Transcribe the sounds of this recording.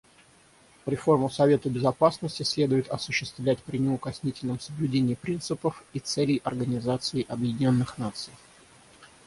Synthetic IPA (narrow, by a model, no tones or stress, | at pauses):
vɾʲɪfo̞rmʊsɐvʲe̞t̪əbʲɪzɐpasnəsʲtʲɪsʲlʲe̞d̪ʊjɪt̪ɐsʊɕːɪst̪vlʲæt̚ʲpɾʲɪnʲɪʊkɐsʲnʲitʲɪlʲnəmsəblʲʉdʲenʲɪːpɾʲint̪sɨpəfit̪sɛlʲɪjʔɐrɡənʲɪzat̪sɨɪʔɐbjɪdʲɪnʲo̞nːɨxnat̪sɨj